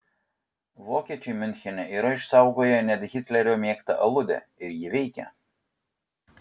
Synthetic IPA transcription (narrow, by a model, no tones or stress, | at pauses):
ʋoːkʲiɛt͡ʃʲɛmʲʏnʲxʲɛnʲɛʔiːɾɐɪʃsɑˑʊɡoːjɛnʲɛd̪ʲɣʲɪt̪ʲlʲɛɾʲoːmʲiɛkt̪ɐ̰ʔɐlˠʊd̪ʲɛ̰ɪɾʲjɪʋʲɛɪkʲɛ̰